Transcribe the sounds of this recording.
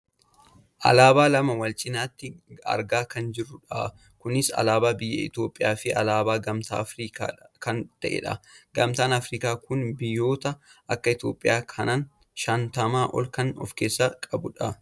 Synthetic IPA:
ʔɐ̰laːbaːlɐmɐwɐlt͡ʃʼɪnaːt̪ːɪɐ̰ɾɡaːkɐnd͡ʒɪrːʊᶑa | kʊnɪsɐ̰laːbaːbɪjːɐ̰ɪ̰t̪jo̞ːpʼːɪjaːfɪʔɐ̰laːbaːɡɐmt̪a̰ːfɾiːka̰ːkɐnt̪ɐʔḛᶑɐ̰ɡɐmt̪aːnɐfɾiːkaːkʊnbɪjːo̞ːt̪ɐʔɐkːɐɪt̪o̞ːpʼːɪjaːkʰɐnaːn | ʃɐnt̪ɐmaːʔɔ̰lkɐnɔ̰fkeːsːɐkʼɐbʊᶑɐ

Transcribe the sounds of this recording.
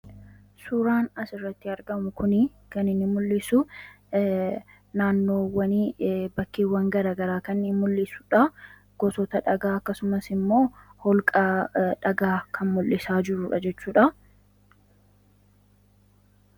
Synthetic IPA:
suɾaːnɐsɪrːɐt̪ːɪɐɾɡɐmʊkʊnɪ | kɐnɪnːɪmʊlːɪsʊ | naːnːo̞ːwɐnibɐkːiːwːɐŋɡɐɾaːɡɐɾaːkɐnːɪmʊlːɪsʊ̥ᶑɐ | ɡ̥ɔsɔt̪ɐᶑɐɡaːɐkːɐsʊmɐsɪmːo̞ːhɔlkʼaːᶑɐɡaːkʰɐnmʊlʔɪsaːd͡ʒɪɾʊᶑɐ̰d͡ʒɛt͡ʃːuːᶑɐ

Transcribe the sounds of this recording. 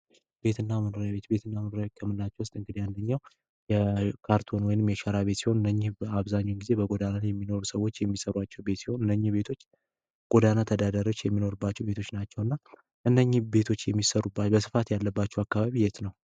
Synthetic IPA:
b̥e̞t̪ʰɨnːamənoɾjaβe̞t̪be̞t̪ʰɨnːamənoɾjaβet̪̚kʰəmːɨnlat͡ʃːɛwʊst̪ʼɨŋɡɨd̪iand̪əɲːaw | jɛkʰaɾt̪ʰo̞nwɔjɪnɨmjɛʃaɾaβe̞t̪siho̞nɨnːəɲːɪaβzaɲːonɡize̞bəɡʼod̪anajɛmːino̞ɾusəwːo̞t͡ʃːjɛmːisəɾwat͡ʃːɛwbe̞t̪siho̞nɨnːəɲːibe̞t̪ʰo̞t͡ʃː | ɡ̥ʼod̪anat̪ʰəd̪ad̪əɾo̞t͡ʃːjɛmːino̞ɾubːat͡ʃːɛwbe̞t̪ʰo̞t͡ʃːnat͡ʃːɛwɨnːa | ʔɨnːəɲːɪbe̞t̪ʰo̞t͡ʃːjɛmːisəɾubːat͡ʃbəsɨfat̪jalːəbːat͡ʃːɛwakːaβaβijɛt̪nəw

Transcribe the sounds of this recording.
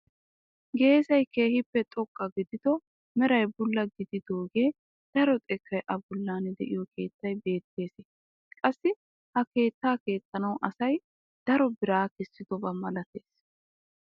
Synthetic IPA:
ɡe̞ːsɐjke̞ːhɪpːɛt̪ʼɔkʼːɐɡɪd̪ɪd̪ɔ | mɛɾɐjbʊlːɐɡɪd̪ɪd̪o̞ːɡeː | d̪̥ɐɾɔt̪ʼɛkʰːɐjʔɐbʊlːaːnɛd̪ɛʔɪjɔkʰe̞ːt̪ːɐjbe̞ːt̪ːe̞ːse | kʼɐsːɪ | hɐke̞ːt̪ːaːke̞ːt̪ːɐnɐwʔɐsɐj | d̪̥ɐɾɔbɪɾaːkɛsːɪd̪ɔbɐmɐlɐt̪e̞ːs

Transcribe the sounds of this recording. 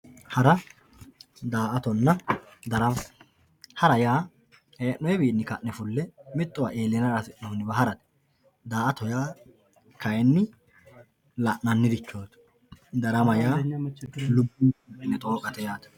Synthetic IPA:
hɐɾɐ | d̪aːʔɐt̪ɔnːɐ | d̪ɐɾɐm | hɐɾɐjaː | heːʔːɔjɛbiːnːɪkɐ̰ʔnɛfʊlːɛmɛt̪ʼːɔwaʔeːlɛnɐɾɐsɪʔnɔhʊnːɪbɐɦɐɾɐt̪ | d̪aːʔɐt̪ɔjaː | kʰɐjɛnːɪ | lɐʔnɐnːɪd̪ɪt͡ʃːoːt̪ | d̪ɐɾɐmɐjaː | lʊbːɪɪnːɛt̪ʼoːkʼɐt̪ɛjaːt̪

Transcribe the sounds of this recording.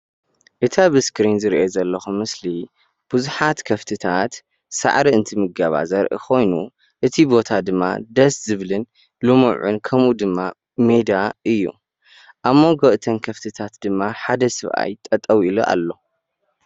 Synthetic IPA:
ʔɨt̪ʰabɨskɾinzɨɾiʔezɐlːɐxumɨsli | b̥ɨzuħat̪kʰɐft̪ʰɨt̪ʰat̪ | sa̰ʕɾiɨnt̪ʰɨmɨɡaβa̰zɐɾʔɨ̰kʰo̞jnu | ʔɨt̪ʰibo̞t̪ʰad̪ɨmːa̰d̪ɐszɨβlɨn | lumuʕṵnkʰɐmʔud̪ɨmːa | med̪aʔɨjːṵ | ʔaβmːoɡoʔt̪ʰɐnkʰɐft̪ʰɨt̪ʰat̪d̪ɨmːaħad̪ɐsɨβʔa̰jt̪ʼɐt̪ʼːɐwiluʔa̰lːo̞

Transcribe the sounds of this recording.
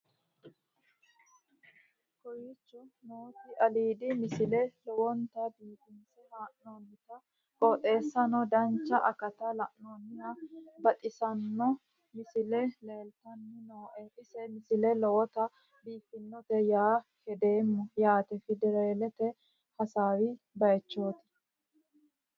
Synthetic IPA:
kɔjit͡ʃːʊnoːt̪ɪʔɐliːd̪ɪmɪsɪlɛlɔwɔnt̪ɐbiːfɪnsɛhaːʔnoːnɪt̪ɐ | kʼoːt̪ʼe̞ːsːɐnɔd̪ɐnt͡ʃːɐʔɐkɐt̪ɐlɐʔnoːnːɪjabɐt̪ʼɪsɐnːɔ | mɪsɪlɛle̞ːlt̪ɐnːɪnoːʔɛʔɪsɛmɪsɪlɛlɔwɔt̪ɐ | biːfːɪnːɔt̪ɛjaːkɛd̪e̞ːmːɔjaːt̪ɛfɪd̪ɛɾeːlɛt̪ɛ | hɐsaːwɪ | bɐjt͡ʃːo̞ːt̪ɪ̥

